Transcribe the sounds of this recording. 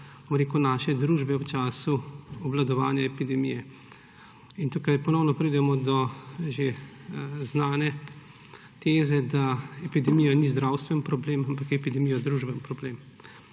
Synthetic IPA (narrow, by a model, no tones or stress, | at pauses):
bomɾekunaːʃɛd̪ɾuːʒbɛwt͡ʃaːsuɔblad̪ɔʋaːnjaɛpid̪ɛmijɛ | int̪uːkajpɔnɔwnɔpɾid̪ɛmɔd̪ɔʒe | znaːnɛ | t̪ezɛd̪aɛpid̪ɛmijanizd̪ɾawst̪ʋɛnpɾɔbleːmampakɛpid̪ɛmijɔd̪ɾuːʒbɛnpɾɔbleːm